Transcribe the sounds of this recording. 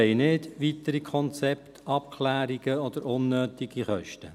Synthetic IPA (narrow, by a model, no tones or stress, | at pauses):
ɛɪnɪdʋit̪əɾikʰɔnt͡sɛptʰɑp̚kʰlæːɾiɡ̥əɔd̪əɾʊnːøːt̪iɡ̥iχœ̰ʃtə